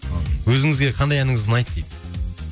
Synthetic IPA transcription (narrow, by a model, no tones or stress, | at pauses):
wɵzɪŋɪzɡʲe̞qʰɑnd̪ɑjænɪŋɪzd̪ɪnɑjt̪ːejd̪ɪ